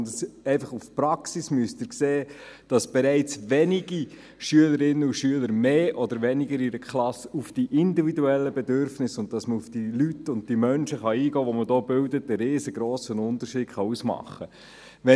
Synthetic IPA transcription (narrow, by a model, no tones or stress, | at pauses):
tsɛɪfɑχufpɾɑksismyəstɪːɾkseːd̥ɑsb̥ɛɾɛɪt͡sʋɛniɡi | ʃyələɾɪnːəuʃyələɾmeːʔɔdəɾʋɛnɪɡəɾiɾəkʰlɑsufd̥iʔɪndividuɛlːəbɛdøɾfnɪsʊnt̚tɑsməufd̥ilytʊnt̚d̥imœnʃəχɑiːɡɔːʋɔmədoːbɪldətəɾeːzəɡɾɔːsənʊnt̪əɾʃiːdχɑusmɑ̰χːə | ʋɛ